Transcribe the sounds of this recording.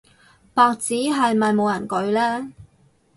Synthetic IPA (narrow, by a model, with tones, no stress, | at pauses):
paː˧k̚t͡siː˨˥ɦɐ˨jmɐ˨jmo˨˧wjɐ˨˩nkɵ˨˧ɥlɛː˥